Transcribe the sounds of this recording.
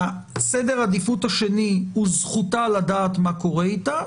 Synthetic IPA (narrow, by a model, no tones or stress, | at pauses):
a | sed̪eʁad̪ifut̪aʃe̞nihuzχut̪alad̪aːt̪mako̞ʁeit̪a